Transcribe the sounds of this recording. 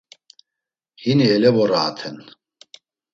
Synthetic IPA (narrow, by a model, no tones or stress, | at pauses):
hiniɛlɛvɔɾaːt̪ʰɛn